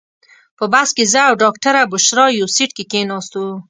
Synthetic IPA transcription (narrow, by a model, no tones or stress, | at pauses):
pəbaskezəawɖɑkʈaɾabʊʃɾɑjosiʈkekenɑst̪u